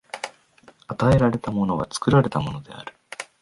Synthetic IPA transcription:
at̪ae̞ɾaɾe̞t̪amo̞no̞β̞a̰t͡sɨ̥kɯ̟ɾaɾe̞t̪amo̞no̞d̪e̞̰a̰ɾɯ̟

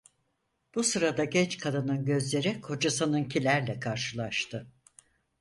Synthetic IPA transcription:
b̥usɯɾad̪aɟɛt͡ʃkʰad̪ɯnɯnɟø̞zlʲe̞ɾikʰo̞d͡ʒasanɯncʰilʲæɾlʲɛkʰaɾʃɯlˠaʃt̪ʰɯ

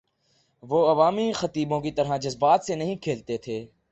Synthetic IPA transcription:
ʋoːɐʋaːmixɐt̪iːbõkit̪ɐɾɦãd͡ʒɐzbaːt̪senɐɦĩkʰeːlt̪et̪ʰeː

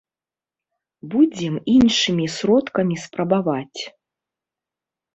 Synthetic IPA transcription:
bud͡zʲɛminʂɨmʲisɾɔt̪kɐmʲispɾɐbavat͡sʲ

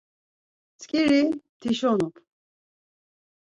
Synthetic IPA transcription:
t͡sʰkʼiɾit̪ʰiʃɔnɔpʰ

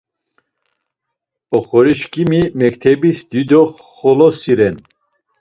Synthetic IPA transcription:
ɔχɔɾiʃkʰʼimimɛkt̪ʰɛbisd̪̥id̪ɔ | χɔlɔsiɾɛn

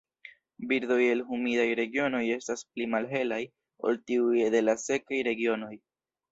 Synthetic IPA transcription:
biɾd̪o̞je̞lhumidajɾe̞ɡio̞no̞je̞stasplimalɦe̞laj | o̞̰ltiujedelase̞kajɾe̞ɡio̞no̞j

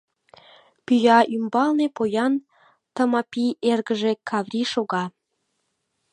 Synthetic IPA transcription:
pyjɑʔymbɑlnepojɑn | t̪əmɑpiʔerɣəʒekʰɑvrʲiʃoɣɑ

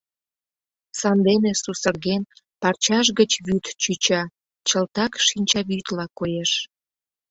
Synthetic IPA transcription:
sɑnd̪enesusərɣen | pɑrt͡ɕɑʃɣət͡ɕβyt̪t͡ɕyt͡ɕɑ | t͡ɕəlt̪ɑkʃinʲt͡ɕɑβyt̪lɑkojeʃ

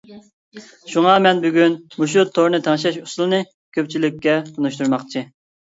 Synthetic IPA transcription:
ʃuŋɑmɛnbyɡʲynmuʃ̬ut̪ʰːoɾnɨt̪ʰɑŋʃɛʃusulˠɨnɨ | kʲʰøp̚ʲt͡ʃʰilɪkʲːɛunuʃt̪uɾmɑχt͡ʃʰi

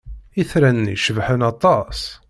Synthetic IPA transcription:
iθɾænːḭʃəvħənɑt̪ˤɑs

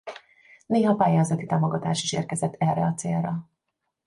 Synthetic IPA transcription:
neːɦɒpaːjaːzɒt̪it̪aːmoɡɒt̪aːʃiʃḛːrkɛzɛt̪ʰːɛrːɛɒt̪sḛːlrɒ

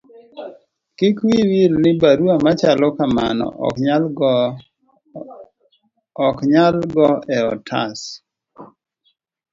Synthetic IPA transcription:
kikwiwilnɪbaɾuamat͡ʃalɔkama̰nɔ̰ | ɔkɲalɡɔɛɔtʰa̰s

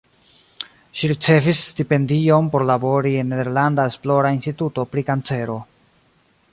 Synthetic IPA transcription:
ʃiɾit͡se̞visstipe̞ndio̞npo̞ɾlabo̞ɾie̞nːede̞ɾlandae̞splo̞ɾainstituto̞pɾikant͡se̞ɾo̞

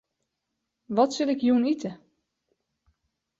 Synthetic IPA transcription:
ʋɔtsɪlɪkjuənitʰə

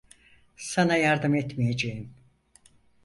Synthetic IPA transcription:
sanajaɾd̪ɯmɛt̪mijed͡ʒejin

